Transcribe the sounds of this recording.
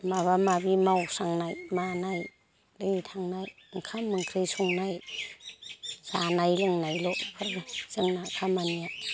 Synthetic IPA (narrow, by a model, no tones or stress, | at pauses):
maβamabimawsaŋnajmanaj | dɯjtʰaŋnaj | ŋkʰamːɯŋkʰɾɯjsuŋnaj | z̥anajlɯŋnajlɔpʰɯɾɡɯzɯŋnakʰamanija